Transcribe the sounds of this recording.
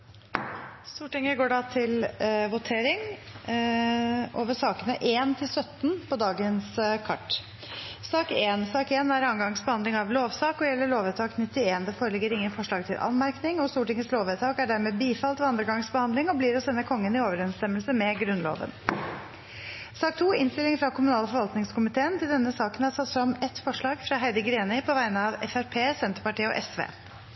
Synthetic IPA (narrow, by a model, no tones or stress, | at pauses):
st̪uːʈɪŋəɡoːɖɑt̪ʰɪlʋʊt̪ʰeːɾɪŋ | ʔoːʋəʂɑːkənəʔeːnt̪ʰɪlsœt̪ːn̩pʰɔd̪ɑːɡənskʰɑ̰ʈː | sɑːkeːnsɑːkeːnæɾɑːŋɡɑŋsbəhɑnd̪lɪŋɑʋloːʋsɑːkɔjɛlːəɭoːʋɛt̪ʰɑːknɪt̪ːɪeːnd̪ɛfoːɾəlɛɡːəɾɪŋːənfɔʂɭɑːɡ̚t̪ʰɪlʔɑ̰nmæɾknɪŋɔst̪uːʈɪŋəsloːʋɛt̪ʰɑːkæɖæɾmɛːbiːfɑlt̪ʋɔɑnd̪ɾəɡɑŋsbəhɑnd̪lɪŋɔbliːɾɔsɛnːəkʰɔŋːənɪoːʋəɾɛnst̪ɛmːəlsəmɛɡɾʉnlo̰ːʋə̰n | sɑːkt̪ʰuːɪnst̪ɪlɪŋfɾɑkʰʊmʉnɑːləfɔɾʋɑlt̪nɪŋskʊmɪt̪ʰeːənt̪ʰɪld̪ɛnːəsɑːkənæɾsɑt̪ːfɾɑmɛt̪fɔʂɭɑːɡfɾɑːɦæɪd̪əɡɾeːnɪpʰɔʋæɪnəɑʋɛ̰fæɾpʰeːsɛnt̪əɾpɑʈiːəɔ̰ʔɛsʋḛː